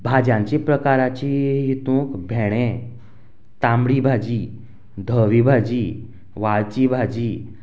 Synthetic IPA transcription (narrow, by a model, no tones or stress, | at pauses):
bʱad͡ʑjãɲt͡ɕipɾəkaɾat͡ɕiɦit̪ũːkbʱɛɽ̃ẽ | t̪ãmbɽibʱad͡ʑi | d̪ʱəʋibʱad͡ʑi | ʋaɭt͡ɕibʱad͡ʑiː